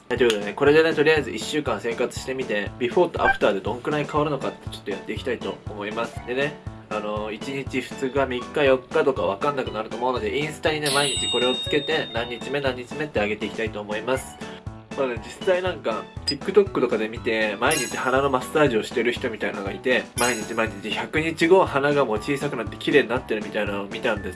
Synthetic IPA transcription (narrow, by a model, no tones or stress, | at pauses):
ad͡ʑoɡeneko̞ɾe̞d̪e̞ne̞t̪o̞ɾʲijaizɨʔiɕːɨːkãɰ̃se̞ːkat͡sɨ̥ɕi̥t̪e̞mʲit̪e̞bʲiɸo̞ːt̪o̞ʔa̰ɸɯ̥t̪aːd̪e̞d̪õ̞ŋkɯ̟ɾaɲikaβaɾɯ̟no̞kat̪ːe̞̥t͡ɕot̪ːojat̪ːe̞ikʲi̥t̪ait̪o̞ːmo̞imasɨ̥d̪e̞ne̞ | ano̞it͡ɕiɲ̟it͡ɕiɸɯ̟̥t͡sɨɡamʲikːajo̞kːat̪o̞kaβ̞akãnːakɯ̟naɾɯ̟t̪o̞ːmo̞ɯ̟no̞d̪e̞ʔĩɰ̃sɨ̥t̪aɲ̟ine̞maiɲ̟it͡ɕiko̞ɾe̞o̞t͡sɨ̥ke̞t̪e̞nãɲ̟ːit͡ɕime̞nãɲ̟ːit͡ɕime̞t̪ːeaɡe̞t̪e̞iki̥t̪ait̪o̞ːmo̞imasɨ̥ | mad̪ed͡ʑisainãŋkakʲikːɯ̟t̪o̞kːɯ̥t̪o̞kad̪e̞mʲit̪e̞maiɲ̟it͡ɕihanano̞masːaːʑio̞ɕi̥t̪e̞ɾɯ̟çʲi̥t̪o̞mʲit̪ainaoɡait̪e̞maiɲ̟it͡ɕimaiɲ̟it͡ɕiçakɯ̟ɲ̟it͡ɕiɡo̞ːhanaɡamo̞ːt͡ɕiːsakɯ̟nat̪ːe̞̥kʲiɾe̞ːɲinat̪ːe̞ɾɯ̟mʲit̪ainaomʲit̪ãnd̪e̞s